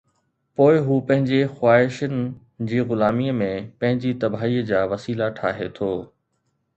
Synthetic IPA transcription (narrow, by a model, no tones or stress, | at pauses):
poːɪɦuːpɐ̃ɦɪ̃ɲd͡ʑexwaːɦɪʃənɪ̆ | d͡ʑiːɣʊlaːmiːəmẽpɐ̃ɦɪ̃ɲd͡ʑiːt̪ɐbʱaːiːəd͡ʑaːʋɐsiːlaʈʰa̰ːɦet̪ʰoː